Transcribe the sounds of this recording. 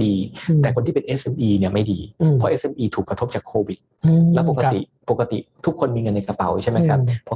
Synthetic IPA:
diː˧t̪ɛː˨˩kʰo˧nt̪ʰiː˥˩pe˧nʔeː˦˥sʔe˧mʔiː˧ni˥˩ɐma˥˩jdiː˧ɔ˦˥ʔeː˦˥sʔe˧mʔiː˧t̪ʰuː˨˩kːɾa˧t̪ʰo˦˥p̚t͡ɕaː˨˩kʰoː˧wi˨˩t̪̚ːɛː˦˥po˨˩ka˧t̪ḭ˨˩ | po˨˩kːa˧t̪ḭ˨˩t̪ʰu˦˥kʰːo˧nmiː˧ŋɤ˧nːa˧jka˧pa˨˩˦wt͡ɕʰa˥˩jma˦jkʰa˦˥p̚ʰːɔ˦˥

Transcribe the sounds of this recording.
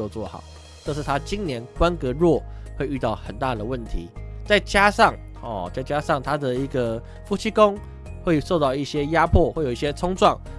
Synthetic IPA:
o˥˧t͡swɔ˥˩xɑ̰˨˩˦ʊ | ʈ͡ʂɤ˥˧ʂ̬ɻ̩˥˩t̪ʰa˦t͡ɕi˦nnjɛ˧˦nkwa˦nkɤ˧˥ɻwɔ˥˨xwe˥˧ɪy˥˧t̪ɑ˥˩ʊxə˨˩nt̪a˥˨d̪ə˩wə˥˩nt̪ʰḭ˨˦t͡sa˥˩ɪt͡ɕja˥ʂɑ˥˨ŋ | ɔ̰˨˩t͡sa˥˩ɪt͡ɕja˥ʂɑ˥˩ŋt̪ʰa˥d̪ə˨i˧˥ɡə˨ | fu˥t͡ɕʰi˥ko˥ŋ | xwe˥˩ɪʂo˥˧ʊt̪ɑ˥˧ʊi˥˩ɕjɛ˦˥ja˥pʰwɔ˥˨xwe˥˩jo˨˩i˥˩ɕjɛ˥t͡sʰʊ˥ŋʈ͡ʂwɑ˥˩ŋ

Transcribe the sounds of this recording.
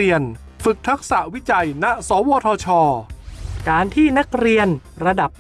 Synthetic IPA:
i˧ən | fɯ˨˩k̚t̪ʰa˦˥k̚sa˨˩ʔwi˦˥t͡ɕa˧jna˦˥sɔː˩˦˥wɔː˧t̪ʰɔː˧t͡ɕʰɔː˧kaː˧nt̪ʰiː˥˩na˦˥k̚ɾi˧ənɾa˧da˨˩p̚

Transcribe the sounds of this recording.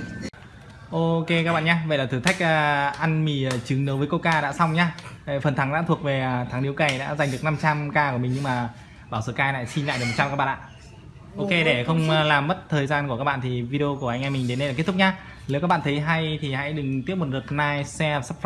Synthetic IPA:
ʔo˧ke˧kaː˦˥ɓa̰ː˧˨ɲaː˧və̰˧˨jlaː˨˩ɨː˧˩t̪ʰa˦˥k̟̚ːʔa˧nmi˨˩˨t͡ɕɨ˨˦ŋnə˨˦wvəː˨˦ko˧kaː˧ɗa̰ː˧˥sa˧wŋ͡mɲaː˧˨˩fə˨˩nt̪ʰa˨˦ŋɗa̰ː˧˥t̪ʰu˨˩ək̚ve˨˩˨t̪ʰa˨˦ŋɗi˨˦wka˨˩jɗa̰ː˧˥za˨˩ŋ̟ɗɨ˨˩ək̚na˧mt͡ɕa˧mkaː˧ku˧˩əmï̟˨˩ɲɨ˧ŋmaː˨˩ | ɓaː˧˩wsə̰ː˧˩kaː˧la̰ː˧˨jsi˧nla̰˧˨jɨ˨˩m̚˨˩t͡ɕa˧kaː˦˥ɓa̰ː˧˨ʔa̰ː˧˨ | ʔo˧ke˧ɗe˧˩xə˧wŋ͡mlaː˨˩mːə˦˥t̚t̪ʰəː˨˩jzaː˧nkkaː˦˥k̚ɓa̰ː˧˨t̪ʰi˨˩vi˧i˧o˧ku˧˩əʔa˧jŋʔa˧mï˨˩ŋ̟ɗe˨˦nə˧aː˨˩kt̪ʰk̚ɲaː˧ | le˨˦wkaː˦˥ɓa̰ː˧˨t̪ʰə˨˦jɦa˧jt̪ʰi˨˩ha̰˧˥jɗɨ˨˩ŋt̪i˦˥əmo˨˩t̚ɗə˨˩t̚naː˧jsɛ˧sa˦˥p̚

